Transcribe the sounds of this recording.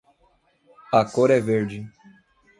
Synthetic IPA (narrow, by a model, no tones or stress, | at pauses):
ɐkoɾɛveɾd͡ʒɪ